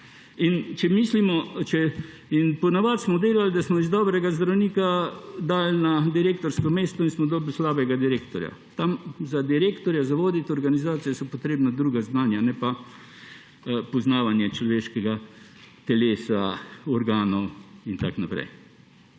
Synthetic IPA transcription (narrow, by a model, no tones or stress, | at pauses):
int͡ʃɛmiːslimɔt͡ʃɛ | inpɔnaʋat̪smɔd̪eːlald̪asmɔizd̪ɔbɾɛɡazd̪ɾawniːkad̪alnad̪iɾeːkt̪ɔɾskɔmeːst̪ɔinsmɔd̪ɔlblslaːbɛɡad̪iɾeːkt̪ɔɾja̰t̪amzad̪iɾeːkt̪ɔɾjazaʋoːd̪it̪ɔɾɡanizaːt̪sijɛsɔpɔt̪ɾeːbnad̪ɾuːɡaznaːnjanɛpa | pɔznaːʋanjɛt͡ʃlɔʋeːʃkɛɡat̪ɛleːsaɔɾɡaːnɔwint̪a̰knapɾɛ̰j